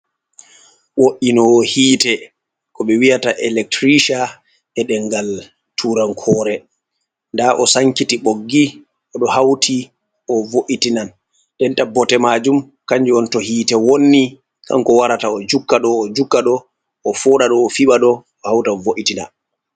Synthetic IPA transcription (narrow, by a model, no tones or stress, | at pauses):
woʔinɔhiːtɛ | kɔɓɛwijataʔɛlɛk̚tɾiʃa | ɛɗɛŋɡal | tʰuːɾaŋkʰɔːɾɛ | ndaʔɔsaŋkitiɓoɡːi | ʔɔɗɔhawtʰi | ʔɔvoʔitinan | ɗɛntabɔtɛmad͡ʒum | kaɲd͡ʒiɔntɔhiːtɛwonːi | kʰa̰ŋkɔwaɾataɔd͡ʒukːaɗɔːd͡ʒukːaɗɔː | fɔɗaɗɔːfiɓaɗɔ | ɔhawtavoʔitina̰n